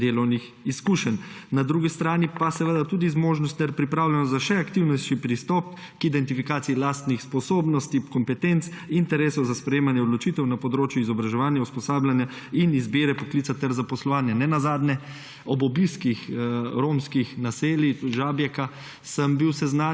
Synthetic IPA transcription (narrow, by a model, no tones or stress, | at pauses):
d̪eːlɔwnix | iskuːʃɛnːnad̪ɾuɡist̪ɾaːnipasɛʋəd̪at̪uːd̪izmoːʒnɔst̪ɛɾpɾipɾaːwlɛnɔzaʃɛakt̪iwnɔt͡ʃipɾist̪ɔp̚ | kid̪ɛnt̪ifikaːt̪siːlast̪nixspɔsoːbnɔst̪ikɔmpɛt̪ent̪sint̪ɛɾeːsɔwzaspɾɛjeːmanjɛɔd̪lɔt͡ʃiːt̪ɛwnapɔd̪ɾoːt͡ʃjuizɔbɾaʒɛʋaːnjauspɔsaːblʲjanja | inizbeːɾɛpɔklit̪sat̪ɛɾzapɔslɔʋaːnjanɛnazaːd̪nɛ | ɔbɔbiskixɾoːmskixnaseːliʒaːbjɛka | səmbiwsɛzna